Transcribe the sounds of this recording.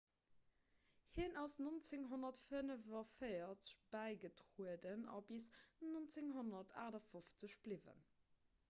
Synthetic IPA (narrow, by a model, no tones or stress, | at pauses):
hiənɑsnont͡sɪŋɦonɐtfənəvɐfəɪɐt͡sə̥ɕb̥æɪɡətʁuədənɑ̰bisnont͡sɪŋɦonɐtʰa̰ːdɐfoft͡səɕb̥livə̰n